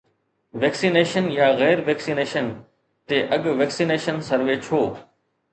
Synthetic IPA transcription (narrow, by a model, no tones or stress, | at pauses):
ʋeːksiːneːʃənjaːɣɛːɾʋeːksiːneːʃən | t̪eːʔɐɠʋeːksiːneːʃənsəɾʋeːt͡ʃʰoː